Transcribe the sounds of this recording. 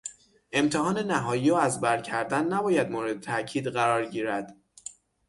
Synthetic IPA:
ʔe̞mt̪ʰeɦɒːne̞næɦɒːjiːoːæzbæɾcʰæɾd̪ænːæbɒːjæd̪moːɾed̪et̪ʰæʔcʰiːd̪ɢæɾɒːɾɟiːɾæd̪̥

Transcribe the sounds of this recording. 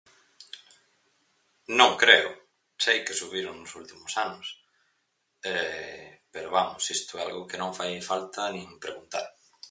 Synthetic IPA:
nõŋkɾeʊ | sejkesuβiɾoŋnʊsult̪imʊsanʊs | ɛpeɾoβamʊsist̪ʊɛalɣʊkenõŋfajfalt̪ɐnĩŋpɾeɣunt̪a̰ɾ

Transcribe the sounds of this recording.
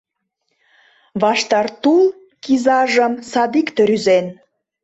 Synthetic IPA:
βɑʃt̪ɑrt̪ul | kizɑʒəmsɑd̪ikt̪əɾyzen

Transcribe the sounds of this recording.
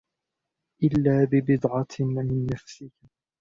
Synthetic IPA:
ʔɪlːaːbɪbɪd̪ʕɑmɪnːafsɪk

